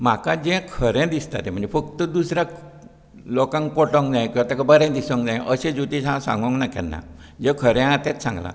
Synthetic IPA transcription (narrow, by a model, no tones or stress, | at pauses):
m̤akad͡zɛ̃kʰəɾɛ̃d̪ist̪a̰t̪em̤əɳnd͡zefək̚t̪əd̪usɾja | lɔkãŋkkɔʈɔ̃ŋkd͡zãj̃kĩw̃at̪akabəɾɛ̃d̪isə̃ŋkd͡zãjʔəsẽd͡zut̪ĩsãsã̰ŋɡə̃ŋknakɛ̰nːa̰ | d͡ʑɛ̃kʰəɾɛ̃at̪ɛ̃t͡ssã̰ŋɡla̰